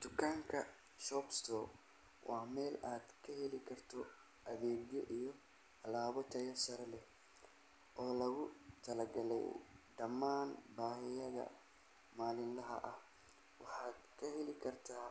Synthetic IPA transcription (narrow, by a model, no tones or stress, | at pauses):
d̪̥ʊkʰaːŋkʰɐ | ʃɔːbst̪ʰɔː | wʔɑːmɛːlaːd̪kʰɐɦɛlɪkʰɐrt̪ʰɔ | ʔɐβɛːɡjɔʔijɔ | ɐlaːβɔt̪ʰɐjɐsɐɾɐlɛ | ʔɔːlɐɣʊt̪ʰɐlɐɡɐlɛ̰jɖɐmaːnbaːhɪjɐðɐ̰ | maːlɪnlɐɦɐ̰ʔɐh | wɑħɑːd̪kʰɐɦɛlɪkʰɐrt̪ʰaː